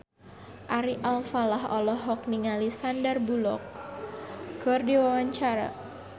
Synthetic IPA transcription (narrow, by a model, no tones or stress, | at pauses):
ʔaɾiʔalfalaɦɔ̰lɔɦɔk̚niŋalisandərbulɔ̰k̚ | ɡɔrdiwawaɲt͡ʃaɾa̰